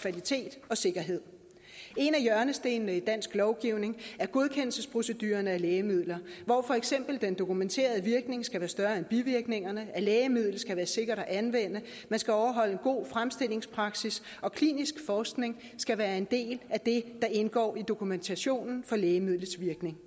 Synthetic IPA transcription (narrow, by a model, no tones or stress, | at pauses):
kʰʋælit͡sʰe̝̰ːd̥ɒ̽se̝ɡ̥ɐɦe̝ð̰ˠ | e̝næjɶɐnəsd̥e̝ːnnəid̥æn̰sɡ̥lɒʊɡ̥iʊ̰ne̝ŋæɐɡ̥o̝ð̞ˠkʰen̰l̩səspʰʁo̝sə̝d̥yːɐnəæleːɪəmið̞̰ˠlɐʋɒfɒ̽eɡ̥sem̰b̥l̩d̥end̥o̝kument͡sʰe̝̰ːɐð̞ˠəʋiɐɡ̥ne̝ŋsɡ̥æʋæːɐsd̥ɶɐenb̥iʋiɐɡ̥ne̝ŋɐnəæleːɪəmið̞̰ˠl̩sɡ̥æʋæːɐse̝ɡ̥ɐɾ̥ɒʔænʋen̰ə | mænsɡ̥æɒʊɐɦɒ̽l̰əenɡ̥o̝̰ːfʁamsd̥e̝l̰e̝ŋspʰʁɑ̈ɡ̥sis | ɒ̽kʰlḭnisɡ̥fɒːsɡ̥ne̝ŋ | sɡ̥æʋæːɐe̝nd̥e̝̰ːlæd̥e̝d̥ɑ̈ʔe̝nɡ̥ɒ̰ːid̥o̝kʰument͡sʰæɕo̝̰ːnn̩fɒ̽leːɪəmið̰ˠləsʋiɐɡ̥ne̝ŋ